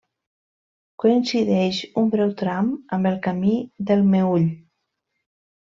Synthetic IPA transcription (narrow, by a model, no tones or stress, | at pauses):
kuinsiðɛʃumbɾɛwt̪ɾaməmbəlˠkamiðəlˠmeuʎ